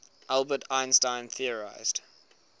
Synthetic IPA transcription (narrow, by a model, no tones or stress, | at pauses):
ʔalˠbətʰãɪ̃nstãɪ̃nθiəɹa̰ɪz̥d̥